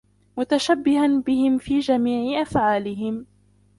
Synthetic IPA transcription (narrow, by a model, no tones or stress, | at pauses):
mʊt̪aʃabːɪhanbɪhɪmfiːd͡ʒamiːʕɪʔafʕaːlɪɦɪm